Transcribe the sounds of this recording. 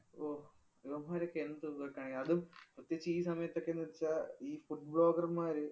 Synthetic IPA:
oː | iʋɐmːaːɾokːeenːɨt̪uːɐkːaːɳiŋɡilɐðumprut̪jet͡ɕːɐiːsɐmɐjɐt̪ːo̞kːenːɐɽit͡ɕːaiːfuʈ̚bɭo̞ːɡɐrmaːɾɨ

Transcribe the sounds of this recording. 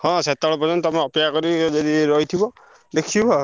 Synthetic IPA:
hɔ̃set̪ːaɭɔpɔzɔnt̪amaɔpɔjakɔɾid͡ʒɔd̪iɾɔjt̪ʰibɔ | d̪ekʰibɔ

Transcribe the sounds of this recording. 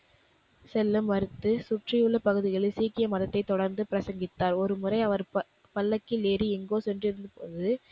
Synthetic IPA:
sɛlːɯmʋɐɾɯt̪ːɯsʊʈrɪjɯɭːɐpɐɣɯðɪɣɐɭɯsiːkɪjɐmɐðɐt̪ːɐɪt̪ːɔɽɐɾnd̪ɯpɪɾɐsɐŋɡɪt̪ːaːɾɔɾɯmɯrɐɪɐʋɐɾ | pɐlːɐkːɪleːɾiɪŋɡoːsɛndrɪɾɯnd̪ɯpoːðɯ

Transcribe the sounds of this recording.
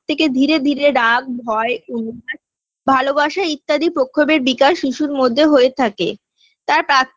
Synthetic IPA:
t̪ʰeked̪ʱiɾed̪ʱiɾeɾaɡ̚bʱɔeuna | bʱalobaʃait̪ːad̪ipɾokʰːobeɾbikaʃːiʃuɾmod̪ʱːeɦoet̪ʰakḛ | t̪aɾpɾak̚

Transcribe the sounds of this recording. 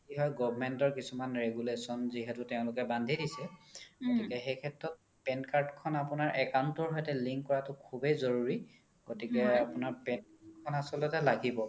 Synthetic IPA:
iɦɔjɡɔbmɛntɔɹkisumanɹeɡulesɔnziɦɛtʊteʊ̃lʊkɛbandʱidisɛɡ̥otikɛxejkʰɛtɹɔt̚ | pɛnkaɹdkʰɔnapʊnaɹʔɛkawntɔɹɦɔjtɛliŋkkːɔɹatʊkʰubezɔɹuɹi | ɡ̥otikɛapʊnaɹpɛnkʰɔnasɔlɔtɛlaɡibɔ

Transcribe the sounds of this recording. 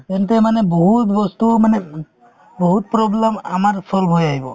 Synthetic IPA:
t̪ɛntɛmanɛbɔɦut̪bɔst̪umanɛ | bɔɦut̪̚pɾɔblɛma̰maɹsɔlbʱɦojaɦibɔ

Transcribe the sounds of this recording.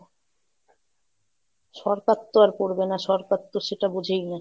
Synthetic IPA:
ʃɔɾkat̪ːoaɾpoɾbenaʃɔɾkat̪ːoʃeʈabud͡ʑʱejna

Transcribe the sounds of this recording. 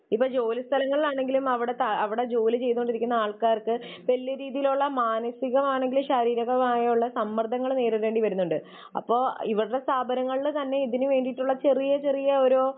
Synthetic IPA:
ipːoːd͡ʑo̞ːlist̪ʰɐlɐŋːɐɭlaːɳe̞ŋɡilumɐʋiɽe̞t̪ɐɐʋiɽe̞d͡ʑo̞ːlɨt͡ɕe̞jnuoɖiɾikʲːunːɐaːɭkaːrkɨʋɐlːijɐɾiːðijiluɭːɐmaːnɐsiɣɐmaːɳe̞ŋɡilumɕɐɾiːɾɐɣɐmaːjɐuɭːɐsɐmːɐrd̪ʱɐŋːɐɭne̞ːɾɨʋe̞ːɳɖiʋɐɾunːuɳɖɨ | ɐ̰pːo̞ːḭʋiɽɨɽe̞st̪aːbʱɐɾɐŋːɐɭt̪ɐnːe̞iðinɨʋe̞ːɳɖijʈːuɭːɐt͡ɕe̞rijɐt͡ɕe̞rijɐoɾo

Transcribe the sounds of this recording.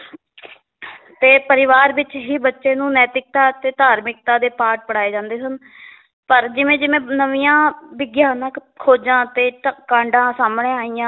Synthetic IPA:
t̪eːpəɾɪʋaːɾʋɪt͡ʃɦiːbətːʃeːnũːnɛːt̪ɪk̚t̪aːt̪eːd̪aːɾmɪk̚t̪aːd̪eːpaːʈ̚pəɽaːeːd͡ʒãːnd̪eːsən | pəɾd͡ʒɪʋẽːd͡ʒɪʋẽːnəʋijãːbɪɡjaːnəkkʰoːd͡ʒãːt̪eːkãːɳɖãːsaːmɳeːaːijãː

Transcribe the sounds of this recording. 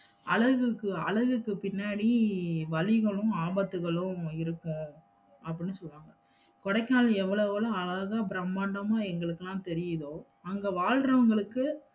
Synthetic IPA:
ɐ̰ɭɐɣɯkːɯɐ̰ɭɐɣɯkːɯpɪnːaːɽiʋɐlɪɣɐɭʊ̃aːbɐt̪ːɯɣɐɭʊ̃ɪɾɯkːʊ̃ | ɐp̬ːɐɽɪnːɯsɔnʋaːŋɡɐ | kɔɽɐɪkːaːlɛʋːɐɭɐɐloɐlɐɣaːbɪɾɐmːaːɳɖɐmaːɛŋɡɐɭɯkːɯlãːt̪ɛɾɪjɐðoː | ɐŋɡɐʋaːɻɾɐʋɐŋɡɐɭɯkːɯ

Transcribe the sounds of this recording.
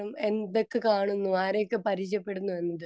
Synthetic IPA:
ɐme̞nd̪okːɨkaːɳunːuaːɾekːɨpɐɾiɕjɐpːe̞ɽunːuenːɐðɨ

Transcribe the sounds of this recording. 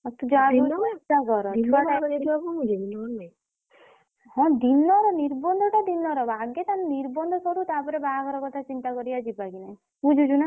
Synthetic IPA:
ɔt̪ud͡ʒɔabuɔt̪akɔɾɔɔaɔidakɔud͡ʒiinɔɾna | hɔ̃d̪inɔɾɔniɾbɔnd̪ʱɔʈad̪inɔɾɔbaɡet̪anniɾbɔnd̪ʱɔsʰɔɽut̪apɔɾebaakɔɾɔkɔt̪ʰat͡ʃint̪akɔɾiad͡ʒipaɡinaj | ud͡ʒud͡ʒuna

